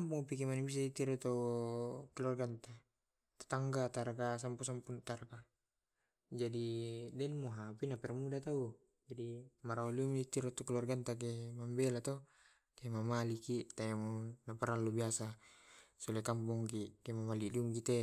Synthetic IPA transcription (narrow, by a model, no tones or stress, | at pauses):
ampuŋpikɛmanibis̬adit̪iɾɔt̪o | kilurɡant̪a | t̪ḁt̪aŋɡat̪aɾkasampusampunt̪arka | d͡ʒadidɛnmoɦapinapɛrmudat̪au | d͡ʒadimaɾaoliuŋdit̪iɾɔt̪ɔkiluarɡant̪ak̬emambelat̪ɔ | kemamalikit̪ajamunapaɾalːubiasa | sulɛkampuŋkikemamaliliuŋkit̪ɛ